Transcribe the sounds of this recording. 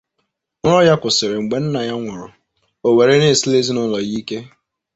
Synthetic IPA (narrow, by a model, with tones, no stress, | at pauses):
ɾɔ˦ja˦kʷʊ˨sɪ˨ɾɪ˨ŋ͡m̩˨ɡ͡be˨n̩˦na˨ja˦ŋʷʊ˨ɾʊ̰˨ | o˨we˨ɾe˦ne˦˨si˦le˦zi˦nʊ˦lɔ˨ɣi˦ke˦